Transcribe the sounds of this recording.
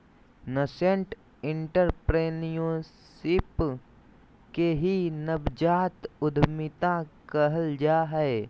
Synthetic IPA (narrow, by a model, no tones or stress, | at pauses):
nəsẽɳʈ | ɪ̃ɳʈəɾpɾeːnijõsɪp | keɦinəbd͡ʒaːt̪ʊd̪ʱmɪt̪ãkəɦəld͡ʒaːɦɛe